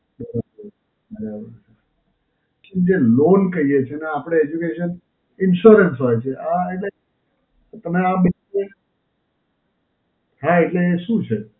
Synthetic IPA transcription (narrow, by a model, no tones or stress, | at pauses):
bəɾabəɾ | bəɾabəɾt͡ʃe | nd͡ʒelonkəijet͡ʃʰeneapɽ̃eed͡ʒukeʃən | ɪnʃuɾənsɦojt͡ʃʰeʔaeʈle | t̪əmeaɓənie | ɦaeʈleːʃũt͡ʃʰe